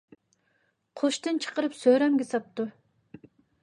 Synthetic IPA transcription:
qʰoʃt̪ɨnt͡ʃʰə̥qəɾɨpsøɾɛmɡʲɪsɑp̚t̪u

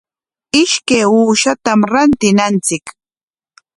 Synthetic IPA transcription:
ɪʃkajuːʃat̪amɾant̪ɪnant͡sɪk

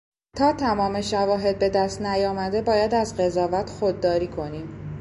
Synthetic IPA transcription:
t̪ʰɒːt̪ʰæmɒːme̞ʃævɒːɦe̞d̪̚be̞d̪æst̪næjɒːmæd̪e̞bɒːjæd̪æzɢe̞zɒːvæt̪ʰxo̞d̪ːɒːɾiːkʰo̞niːm

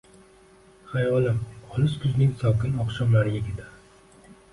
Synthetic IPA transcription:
χajʁɒlˠɪmɒlɪskʲʰʊznɪŋʲsɒwkʲɪnɒqʃɒmlaɾɪjeɡʲɪd̪a

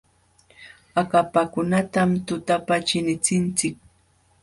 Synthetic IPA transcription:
akapakʊnat̪amt̪ʊt̪apat͡ʃɪnɪt͡sɪnt͡sɪk̚

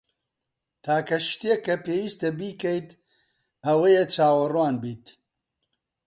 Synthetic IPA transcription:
t̪ʰaːkɐʃt̪ijɛkːɐpeːwiːst̪ɐbiːkɛjt̪ | ɐwejet͡ʃʰaːwɐrwaːnbiːt̪

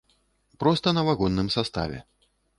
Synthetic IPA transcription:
pɾɔst̪ɐnɐvaɣɔnːɨmsast̪a̰vʲɛ̰

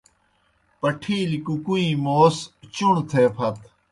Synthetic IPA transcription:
pɐʈʰiːlikukuĩːmoːst͡ɕuɳt̪ʰeːpʰɐt̪

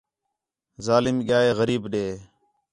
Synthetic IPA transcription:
zaːlɪmɠɪjaːeːɣəɾiːbɗeː

